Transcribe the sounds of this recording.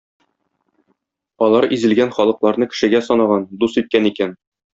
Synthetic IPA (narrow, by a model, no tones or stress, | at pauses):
ɒlˠɑɾizɘ̆lɡænχɒlˠɤ̆qlˠɑɾnɤkɘ̥̆ʃɘ̆ɡæsɒnɑʁɑnd̪usit̪̚kænikæn